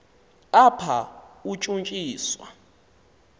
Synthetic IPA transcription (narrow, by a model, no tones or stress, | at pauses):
apʰaut͡ʃʼunt͡ʃʼiːswa̰